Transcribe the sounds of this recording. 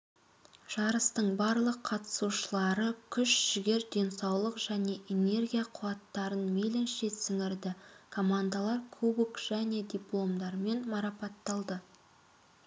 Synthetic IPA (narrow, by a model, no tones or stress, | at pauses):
ʒ̥ɑɾəst̪əɴbɑɾlˠəqʰːɑt̪ə̥suʃəlˠɑɾəkʲʰʏʃʒ̥ɪɡʲe̞ɾd̪ʲe̞nsɑwlˠəqʒ̥æne̞ʔene̞rɡʲijaqʰʊɑt̪ːɑɾənmelɪnʃet̪sɪŋɪɾd̪ɪkʰo̞mand̪alˠɑɾkʰubukʒ̥æne̞d̪ijplˠo̞md̪ɑɾme̞nmɑɾɑpɑt̪ːɑlˠd̪ə